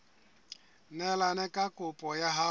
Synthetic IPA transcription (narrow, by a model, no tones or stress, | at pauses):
nɛlanɛkʼakʼʊpʼɔjaɦa